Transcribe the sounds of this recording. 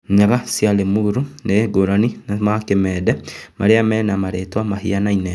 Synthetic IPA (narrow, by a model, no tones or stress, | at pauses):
ɲaɣasjalemuɾuneɡoɾaninamakemɛːdɛmaɾeamɛːnamaɾetwamaɦianainɛ